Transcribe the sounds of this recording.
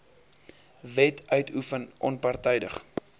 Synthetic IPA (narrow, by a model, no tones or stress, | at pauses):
vɛtʰœɥtʰufənʔɔnpɐrtɛjdəχ